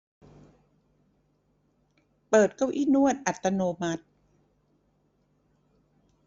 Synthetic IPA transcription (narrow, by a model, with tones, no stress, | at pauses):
pɤː˨˩t̪̚ka˥˩wʔiː˥˩nu˥˩ət̪̚ʔa˨˩t̪ːa˧noː˧ma˦˥t̪̚